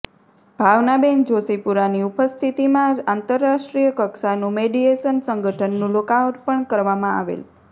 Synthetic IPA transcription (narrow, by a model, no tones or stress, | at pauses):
b̥ʱaʋnabend͡ʒosipuɾaniupəst̪ʰit̪imããnt̪əɾːaʃʈɾijəkəksanũmeɖiesənsəŋɡʱəʈʰənːũlokaʋəʈpəɳkəɾʋamãa̰ʋḛl